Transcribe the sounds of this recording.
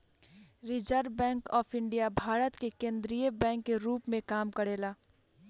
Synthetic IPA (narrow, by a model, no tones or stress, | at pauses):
ɾɪd͡ʒəɾbɛ̃ːŋkɔːpʰɪ̃ɳɖijabʱaːɾət̪kekẽːnd̪ɾijəbɛ̃ːŋkːeɾuːpmẽkaːmkəɾeːlaː